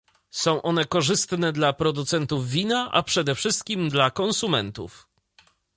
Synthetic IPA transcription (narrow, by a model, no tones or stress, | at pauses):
sɔ̃w̃ʔɔnɛkɔʐɘst̪nɛd̪lapɾɔd̪ut̪sɛnt̪uvːʲinaʔa̰pʂɛd̪ɛfʂɘst̪̚kʲimd̪lakɔnsumɛ̰nt̪ṵf